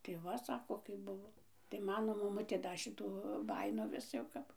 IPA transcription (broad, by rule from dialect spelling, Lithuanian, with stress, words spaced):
tɐɪ ˈʋɐ ˈsɑːkoː kɐɪp ˈbʊʋoː tɐɪ ˈmɑːnoː mɐˈmʊtʲeː ˈdɐ ˈʃʲɪtuː ˈbɑːjɪnoː ˈʋʲɪs jɛʊ ˈkɐp